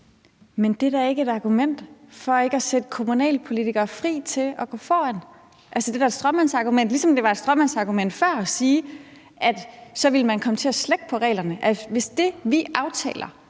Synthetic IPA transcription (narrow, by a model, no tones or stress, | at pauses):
mend̥e̝dæɐe̝ɡ̥əe̝d̥ɑ̈ɡ̥umen̰d̥fɒ̽e̝ɡ̥əɒsed̥əkʰo̝munɛ̰ːlpʰo̝lit͡sʰiɡ̥ɐfʁḭːt͡sʰe̝lɒ̽ɡ̥ɔ̰̽ːfɒ̰ːæn̰ | ʔælsəd̥eʋæɐed̥sd̥ʁɶmænsɑ̈ɡ̥umen̰d̥lisɒ̽md̥e̝ʋɑ̈ed̥sd̥ʁɶmænsɑ̈ɡ̥umen̰d̥fɶɐ̰ɒsiː | ʔæd̥sɒ̽ʋiləmænkʰɒ̽mət͡sʰe̝æsleɡ̥̚pʰɒ̽ʁɛ̰ːlɐnəʔæʋe̝sd̥e̝ʋiʔɑ̈ʊt͡sʰɛ̰ːlɐ